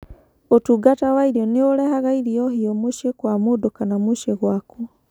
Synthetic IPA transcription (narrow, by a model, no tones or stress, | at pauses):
otuːɡatawaiɾiɔneoɾɛhaɣaiɾiɔhiɔmuʃiekwamudokanamuʃeɣwaku